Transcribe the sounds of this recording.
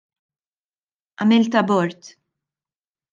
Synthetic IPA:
ʔɐmɪlt̪ɐbɔɾt̪

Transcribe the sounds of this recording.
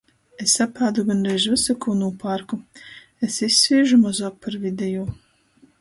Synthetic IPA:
esapaːd̪uɡanɾɛjʒvɨsakuːnuːpaɾku | esisːviːʒumazaːk̚paɾvid̪ɛjuː

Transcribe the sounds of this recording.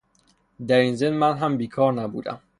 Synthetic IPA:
d̪æɾiːnzenmænɦæmbiːkʰɒːɾnæbṵːd̪æ̰m

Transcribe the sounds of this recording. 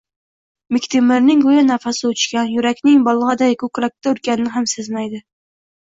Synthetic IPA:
mɪkʲt̪ʰɪmɪɾnɪŋɡojanafasɪʊt͡ʃkʲanjʊɾakʲnɪŋbɒlˠʁɑd̪ajkʰʊkɾak̚ʲt̪ʰaʊlkʲanɪnɪɦamsɪzmajd̪ɪ

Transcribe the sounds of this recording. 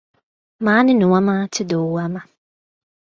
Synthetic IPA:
mãːnɪ̃nʊ̃wamãtʰɪdɔwamã

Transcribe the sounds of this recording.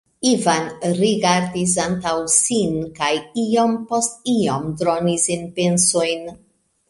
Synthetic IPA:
ivanɾiɡaɾdis̬antawsinkajio̞mpo̞stiomdɾo̞nisinpe̞nsojn

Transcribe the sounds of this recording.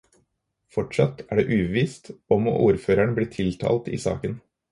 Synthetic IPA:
fɔʈʂɑt̪ːæːɖeːʔʉːbəʋiːst̪ɔmo̰ːʔuːɾføːɾæɳbliːt̪ʰɪlt̪ʰɑ̰ːlt̪ḭːsɑ̰ːkən

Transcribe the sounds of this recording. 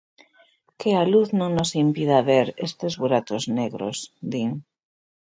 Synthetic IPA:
kealuθnõŋnosimpið̞aβeɾest̪ezβuɾat̪ozneɣɾo̰sd̪iŋ

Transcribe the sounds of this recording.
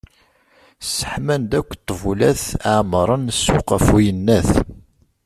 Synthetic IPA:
sə̥ħmænd̪ækʷːt̪ˤːvulæθaʕmɾˤənsːʊqæfujənːæθ

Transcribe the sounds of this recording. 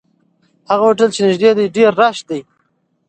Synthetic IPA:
haɣawʊʈ̬əlt͡ʃenɪʒd̪ed̪ajɖeɾːaʃ̚d̪aj

